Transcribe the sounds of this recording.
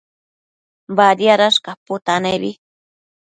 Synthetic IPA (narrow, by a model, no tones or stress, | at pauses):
bad̪jaɾaʃkapʊt̪anabi